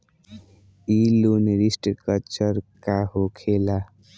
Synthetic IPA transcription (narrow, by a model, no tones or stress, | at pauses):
ilunɾisʈkʌlt͡ʃəɾkaɦokʰela